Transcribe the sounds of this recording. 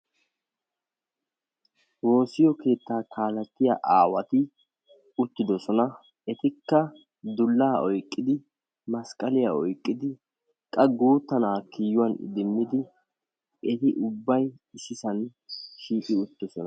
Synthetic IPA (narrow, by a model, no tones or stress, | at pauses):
wo̞ːsɪjɔke̞ːt̪ːaːkʰaːlɐt̪ːɪjaʔaːwɐt̪ɪ | ʊt̪ːɪd̪ɔsɔnɐ | ɛt̪ɪkːɐ | d̪ʊlːaːɔjkʼːɪd̪ɪ | mɐskʼɐlɪjaɔjkʼːɪd̪ɪ | kʼːɐɡuːt̪ːɐnaːkiːjʊwɐnɪ̰d̪ɪmːɪd̪ɪ | ʔɛt̪ɪʔʊbːɐj | ɪsɪsɐnʃiːʔʼɪʊt̪ːɔsɔnɐ